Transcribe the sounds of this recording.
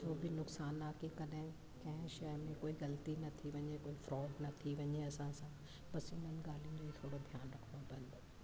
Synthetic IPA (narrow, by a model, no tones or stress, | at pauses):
d͡ʑoːbɪnʊksaːnaːkekɐɗɦɪ̃ | kɐ̃ɦɪ̃ʃɐmẽkoːiɣɐlt̪inɐt̪ʰiʋɐɲekoːifɾɔːɖnɐt̪ʰiʋɐɲeɐsãsã | pɐsɪn̤ənɪ̆ɡaːl̤ĩũnd͡ʑoit̪ʰoːɽod̪ʱjaːnɾɐkʰənd̪obɐ̃nd̪